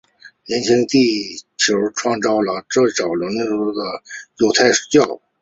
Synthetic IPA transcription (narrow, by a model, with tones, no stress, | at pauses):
njɛ˧˥nt͡ɕʰi˧˥ŋt̪i˥˩t͡ɕʰjo˧˥ʊʈ͡ʂʰwɑ˥˧ŋt͡sɑ˥˩ʊlə˩ʈ͡ʂɤ˥˩ɕɑ˨˩ʊlə˧˥n˥u˧˥d̪ə˩jo˨˩ʊt̪ʰa˥˩ɪʂ̩˨˩˥t͡ɕjɑ˥˩ʊ